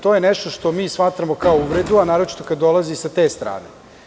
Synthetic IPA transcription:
t̪o̞ːjeneʃt̪o̞ʃt̪o̞miːsmat̪ɾamokaouʋɾed̪uanaːɾot͡ʃi̥t̪okad̪ːo̞lazisat̪eːst̪ɾa̰ːnḛ

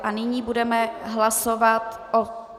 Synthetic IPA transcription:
ʔanɪɲiːbudɛmɛɦlasovat̪ | ʔo

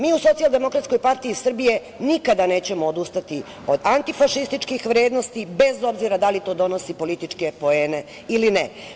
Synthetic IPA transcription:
miːuso̞t̪ialˠd̪e̞mo̞kɾat̪sko̞jpaɾt̪iisr̩bije̞ | nikad̪ane̞ːt͡ɕe̞moːd̪ust̪at̪i | o̞d̪ant̪ifaʃist̪it͡ʃkixʋɾe̞ːd̪no̞st̪ibe̞zo̞bziɾad̪alit̪o̞ːd̪o̞no̞sipo̞lit̪it͡ʃke̞po̞e̞ːne̞ | iline

